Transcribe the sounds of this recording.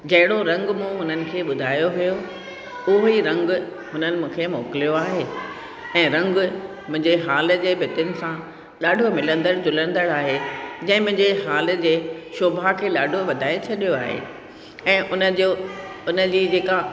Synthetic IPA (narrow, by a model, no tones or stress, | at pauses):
d͡ʑɐɦɪɽoɾɐ̃ŋɡmũːɦʊnənɪ̆kʰeːɓʊd̪ʱaːjoɦijo | ʊɦiɾɐ̃ŋɡ | ɦʊnənɪ̆mũːkʰeːmoːkɪlijoaːɦe | ɛ̃ːɾɐ̃ŋɡ | mʊ̃ɦɪ̃ɲd͡ʑeɦaːl̆d͡ʑeːbʱɪt̪ɪʊnɪ̆sã | ɗaːɖʱomɪlə̃nd̪əɽd͡ʑʊlə̃nd̪əɽaːɦed͡ʑɐ̃ːɪ̃mʊ̃ɦɪ̃ɲd͡ʑeɦaːl̆d͡ʑeːʃoːbʱakʰeːɗaːɖʱoʋɐd̪ʱaːet͡ɕʰɐɗijoaːɦḛ | ɛ̃ːʔʊnəoʊnəd͡ʑiːd͡ʑeːka